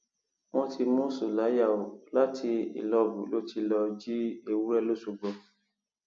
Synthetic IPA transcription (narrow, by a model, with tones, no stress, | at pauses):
mɔ̃˧tʰi˧mũ˦su˨la˨˦ja˦˨o˨la˦tʰi˧ḭ˨lɔ˧bṵ˨˦lo˦ti˧lɔ˧d͡ʒi˦e˦wu˦ɾɛ˦lo˦su˧ɡ͡bɔ˧